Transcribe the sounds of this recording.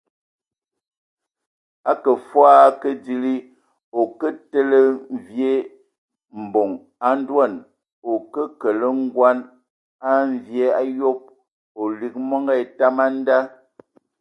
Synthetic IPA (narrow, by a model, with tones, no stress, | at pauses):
a˦kə˨fwaː˦kə˦di˨li˦ | o˨kə˦te˦lə˦m˨vje˦ | m̩˨bo˨ŋ | a˦n̩˦dwa˦˨n | o˨kə˦kə˨lə˦ŋ̩˦ɡwa˦n | a˦ɱ˨vje˨˦a˦jo˦p̚ | o˨li˨k̚mɔ˦ŋɡɛ˦˨ta˦ma˦n̩˦da˦